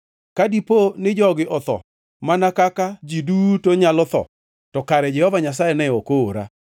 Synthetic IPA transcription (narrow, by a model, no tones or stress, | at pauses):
kadiponɪd͡ʒɔɡɪʔɔt̪ɔ̰ | manakakad͡ʒiduːtoɲalɔt̪ɔ̰ | tɔkaɾɛd͡ʒɛhɔvaɲas̬ajɛnɛokoːɾa̰